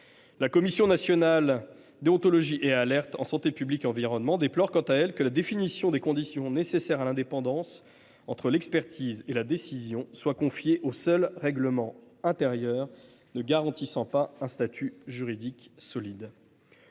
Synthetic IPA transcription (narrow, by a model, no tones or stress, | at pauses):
lakɔmisjɔ̃nasjɔnal | d̪eɔ̃t̪ɔlɔʒiʔealɛʁt̪ɑ̰̃sɑ̃t̪epyblikeɑ̃viʁɔnmɑ̃d̪eplɔʁkɑ̃t̪aɛlkəlad̪efinisjɔ̃d̪ekɔ̃d̪isjɔ̃nesesɛʁalɛ̃d̪epɑ̃d̪ɑ̃s | ɑ̃t̪χəlɛkspɛʁt̪ʰizelad̪esizjɔ̃swakɔ̃fjeʔosœlʁɛɡləmɑ̃ | ɛ̃t̪ɛʁjœːʁ | nəɡaʁɑ̃t̪isɑ̃paɛ̃st̪at̪ʰyʒyʁid̪iksɔlid̪